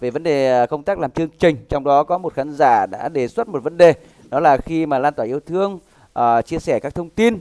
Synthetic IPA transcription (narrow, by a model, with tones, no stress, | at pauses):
ve˨˩və˨˦nɗe˨˩˨kə˧wŋ͡mt̪aː˦˥k̚laː˨˩mt͡ɕɨ˧əŋt͡ɕï˨˩ŋ̟t͡ɕɔ˧wŋ͡mɗɔ˨˦kɔ˨˦mo˨˩t̚xaː˨˦nzaː˧˩ɗa̰ː˧˥ɗe˨˩swə˦˥t̚mo˨˩t̚və˨˦nɗe˨˩ | nɔ˨˦laː˨˩xi˧maː˨˩laː˧nt̪waː˧˩˨ʔi˧əwt̪ʰɨ˧əŋ | ʔːt͡ɕi˧əsɛ˧˩kaː˦˥k̚t̪ʰə˧wŋ͡mt̪i˧n